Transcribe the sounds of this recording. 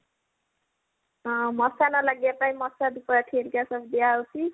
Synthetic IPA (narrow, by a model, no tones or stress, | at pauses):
ʌmʌsanʌlaɡjapaĩmʌsad̪upɾaʈʰelkasʌbd̪iaot͡sʰi